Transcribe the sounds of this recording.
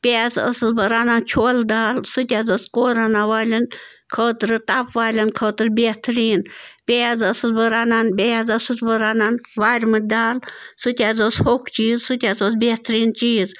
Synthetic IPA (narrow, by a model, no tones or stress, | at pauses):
pʲeːzə̰sɨzbəɾaːnant͡ʃʰoːld̪aːlsut̪ʲazoskoːɾanaʋaːlʲɐn | kʰəːt̪ɾɨt̪apʋaːlʲɐnkʰəːt̪ɨɾbet̪ʰɾiːnpʲeːzəsɨzbəɾaːnanbʲezəsɨzbəɾaːnanʋaːɾʲmɨd̪aːlsut̪ʲaːzoːshokt͡ʃiːzsut̪ʲazoːsbʲet̪ʰɾiːnt͡ʃiːz